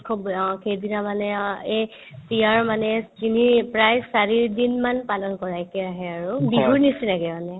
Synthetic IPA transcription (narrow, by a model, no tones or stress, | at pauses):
kʰubkʰedinamanɛe | siaɹmanɛkinipɹajsaɹiɹdinmanpalɔnkɔɹajkɛaɦɛaɹubiɦuɹnisinaɡɛmanɛ